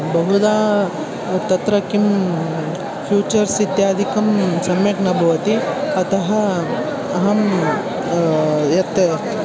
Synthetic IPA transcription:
bɐɦud̪aː | t̪ɐt̪ɾɐkim | fʰjuːt͡ʃɐɾsit̪jaːd̪ʱikɐmsɐmjɐkɳɐbʱɐʋɐt̪iɐt̪ɐɦɐ | ɐɦɐm | jɐt̪

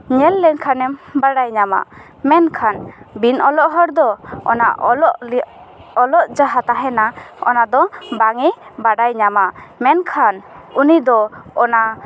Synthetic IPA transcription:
ɲɛlːɛŋkʰanɛmbaɽajɲama̰ʔ | mɛnkʰanbinɔlɔʔɦɔɾd̪ɔɔ̰na̰lɔʔ | ɔlɔʔd͡ʒaɦat̪aɦɛnaɔ̰nad̪ɔbaŋibaɖajɲamamɛnkʰanunid̪ɔɔnaʔ

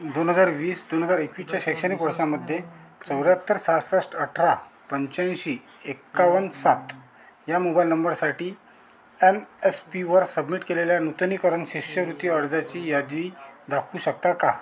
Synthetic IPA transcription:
d̪onɦəd͡zaɾʋiːsd̪onɦəd͡zaɾekʋist͡ɕjaɕekɕənikʋəɾsaməd̪ʱːjet͡səwɾjat̪ːəɾsasəsʈəʈʰɾapəɲt͡ɕãnɕi | ekːaʋənsat̪ | jamobailnəmbəɾsaʈiː | emespiʋəɾsəbmiʈkeleljanut̪nikəɾənɕiɕjəʋɾut̪ːiəɾd͡zat͡ɕiːjad̪ʋiːd̪akʰuɕək̚t̪aka

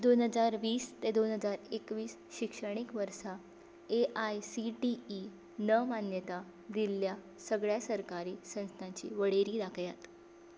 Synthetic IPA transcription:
d̪onɦəd͡zaɾʋiːst̪ed̪onɦəd͡zaɾekʋiːs | ɕikʂəɽ̃ikʋəɾsa | eʔajsiʈiː | nəmanjət̪a | d̪ilːja | səɡɭjasəɾkaɾiːsə̃ñst̪ʰãɲt͡ɕḭːʋəɽ̤eɾiːd̪akʰjat̪

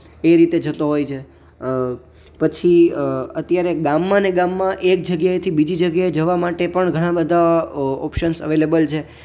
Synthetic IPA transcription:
eɾit̪ed͡ʒət̪oɦojt͡ʃʰe | pət͡ʃʰiət̪jaɾeɡamːãneɡamːãʔek̚d͡ʒəɡjaet̪ʰibid͡ʒid͡ʒəɡjaed͡ʒəʋamaʈepəɳɡʱəɽ̃ãbəd̪ʱaɔpʃənsə̰ʋelebəlt͡ʃʰe

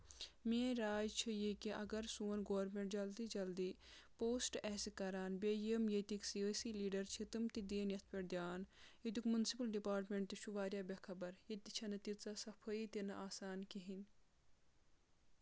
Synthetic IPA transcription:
meːɾaːjt͡ʃʰijikiʔɐɡɐɾsuːɐnɡoːɾmeɳʈd͡ʒɐld̪id͡ʒɐld̪i | poːsʈɛːsikɐɾaːnbʲejemjet̪iksiəsiliːɖɐɾt͡ʃʰit̪ɨmt̪id̪eːnjɐt̪ʰpʲɐɾd̪ʲjaːnid̪ukmunsipɐlɖipaːɾʈmeɳʈt̪iʃuʋaːɾjaːbʲɐkʰɐbɐɾjit̪it͡ʃʰɐnɐt̪it͡sasɐpʰɐit̪inɐʔaːsaːnkiɦin

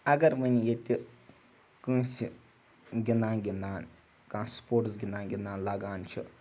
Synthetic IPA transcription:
ɐɡɐɾmənʲjet̪ʲi | kɨ̃ːsʲi | ɡʲind̪aːnɡʲind̪aːn | kãːspoːʈsɡʲind̪aːnɡʲind̪aːnlaɡaːnt͡ʃʰi

